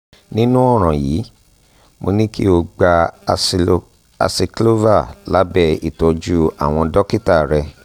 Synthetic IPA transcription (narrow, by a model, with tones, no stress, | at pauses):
nĩ˦nũ˦ɔ˦˨ɾ̃ã˨jiː˨˦ | mo˧nĩ˦kḭ˦o˧ɡ͡ba˧ | a̰˨si˨klo˦va˦˨la˨˦bɛ˧ḭ˨tɔ˨d͡ʒu˦a˦˨w̃ɔ̃˧dɔ˦ki˦ta˦˨ɾɛ˧